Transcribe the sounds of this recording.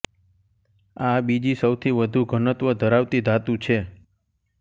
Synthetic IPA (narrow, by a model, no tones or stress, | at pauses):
abid͡ʒisəwt̪ʰiʋəd̪ʱũɡʱənət̪ʋəd̪ʱəɾaʋt̪id̪at̪ũt͡ʃʰe